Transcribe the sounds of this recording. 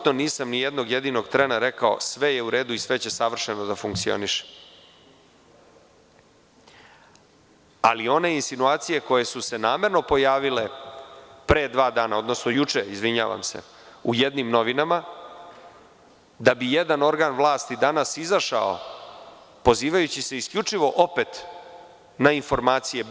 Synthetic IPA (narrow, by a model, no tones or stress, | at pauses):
t̪no̞niːsamnijed̪no̞ɡjed̪ino̞ɡt̪ɾenaɾe̞kao̞̰sʋejeuɾe̞ːd̪uisʋe̞t͡ɕe̞saʋr̩ʂeno̞d̪afuŋk̚t̪sio̰niʃe̥ | a̰lio̞ne̞insinuaːt̪sije̞ko̞je̞suse̞naːme̞ɾno̞po̞jaːʋile̞ | pɾe̞ːd̪ʋaːd̪aːnao̞d̪no̞sno̞jut͡ʂeizʋiɲa̰ːʋa̰msḛ | uje̞d̪nimno̞ʋinama | d̪abije̞d̪ano̞ɾɡaːnʋlˠaːst̪id̪anasizaʃa̰o̰ | po̞ziːʋajut͡ɕise̞iskʎʲut͡ʂiʋo̞ʔo̞pet̪ | nainfo̞ɾmaːt̪sije̞